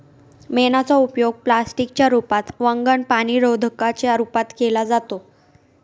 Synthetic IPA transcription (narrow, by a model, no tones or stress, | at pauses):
menat͡saupjoɡ̚plasʈik̚t͡ɕjaɾupat̪ʋəŋɡəɳpaɽ̃iːɾod̪ʱəkat͡ɕjaɾupat̪kelad͡zat̪o